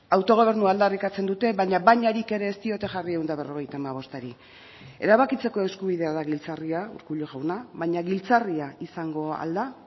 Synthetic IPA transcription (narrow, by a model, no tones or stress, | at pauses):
awt̪o̞ɣ̞o̞β̞e̞ɾnuaːld̪arikat͡se̞nd̪ut̪e̞βajɲaβajɲaɾike̞ɾe̞ːst̪io̞t̪e̞ʝariewnd̪aβ̞e̞ro̞ɣ̞e̞jt̪aːmaβ̞o̞st̪aɾi | e̞ɾaβakit͡se̞ko̞e̞skuβið̞e̞aðaɣilt͡sariaṵɾkuʎoʝawnaβajɲaɣilt͡sariaisaŋɡo̞a̰ld̪a